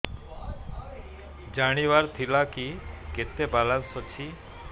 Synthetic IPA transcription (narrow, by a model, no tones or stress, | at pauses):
d͡ʒaɽ̃iʋaɾt̪ʰilakiket̪ebalãnsɔt͡ʃʰi